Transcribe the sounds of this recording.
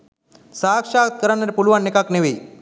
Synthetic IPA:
sakʂat̪̚kəɾanːaɾepulʋanːekakneʋe

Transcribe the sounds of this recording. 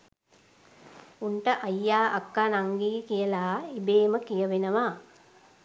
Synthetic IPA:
unʈəʔajːaːʔakːanaŋɡiːkijəlaːibeːməkijəʋenəʋaː

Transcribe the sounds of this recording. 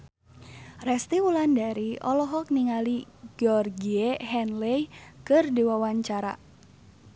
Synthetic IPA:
rɛst̪iwulandaɾiɔlɔɦɔk̚niŋaliɡ̥ɔrɡieɦɛnlejkɨrdiwawaɲt͡ʃaɾa̰

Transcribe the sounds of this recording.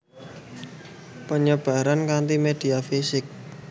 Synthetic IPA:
pəɲəb̥a̤ɾankant̪imed̪̥i̤afisɪk̚

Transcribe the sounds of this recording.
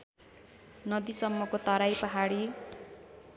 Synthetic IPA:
nʌd̪isʌmːʌkot̪ʌɾajpʌɦaɽi

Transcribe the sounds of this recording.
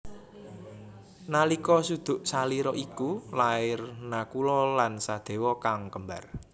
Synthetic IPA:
nalikɔsud̪̥ʊ̤ʔsaliɾɔʔikulaɪrnakulɔlansad̪̥e̤wɔkaŋkəmba̰r

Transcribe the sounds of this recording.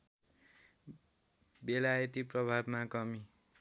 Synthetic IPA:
belajʌt̪iprʌbʱabmakʌmi

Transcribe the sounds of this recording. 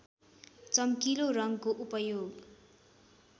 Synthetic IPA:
t͡sʌmkilorʌŋkoʔupʌjoɡ

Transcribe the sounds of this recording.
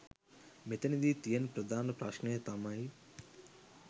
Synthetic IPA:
mit̪ɐnid̪it̪ijɐnpɾɐd̪ʱaːnɐpɾaːʃnejɐt̪aːmaːi

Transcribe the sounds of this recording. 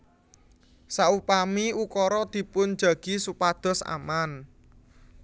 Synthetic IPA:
saupamiukɔɾɔd̪̥i̤pʊn̥ʒ̥a̤ɡ̥i̤supad̪̥ɔ̤sa̰man

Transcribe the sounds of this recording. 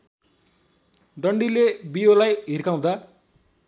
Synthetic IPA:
ɖʌɳɖilebijolajɦirkaw̃d̪a

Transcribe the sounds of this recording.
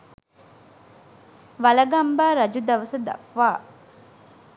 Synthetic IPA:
ʋɐlɐɡɐmbaːɾɐd͡ʒud̪ɐʋɐsɐd̪ɐ̰pʋaː

